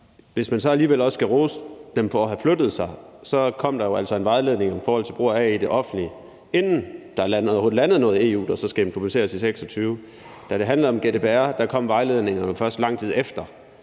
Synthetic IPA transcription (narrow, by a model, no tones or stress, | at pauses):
ʋe̝smænsɒ̽æliːʋel̰ɒ̽sːɡ̥æʁoːsd̥emfɒɦæflød̥ð̞̩ˠsɑ̈ɪsɒ̽kʰɒ̽m̰d̥ɑ̈jo̝æl̰sɒ̽e̝nʋɑ̈ɪleð̞ˠne̝ŋɒmifɒːhɒ̽l̰t͡sʰe̝lb̥ʁo̝ɐɛid̥e̝ʔɒ̽fn̩d̥li | e̝nn̩d̥ɑnhoð̩ˠlænð̞̩ˠnɔ̽ːð̩ˠe̝ːṵːd̥ɑsɒ̽sɡ̥æd̥empʰʁob̥use̝̰ːɐsiseɡ̥sɒ̽t͡sʰyːʊ | d̥æɾ̥e̝ɦænlɐð̩ˠɒ̽mɡ̥e̝d̥eb̥ʰe̝æɐd̥ɑkʰɒ̽m̰ʋɑ̈ɪle̝ð̞ˠne̝ŋɐnəfɶɐsd̥lɑ̈ŋ̰t͡sʰiðˠefd̥ɐ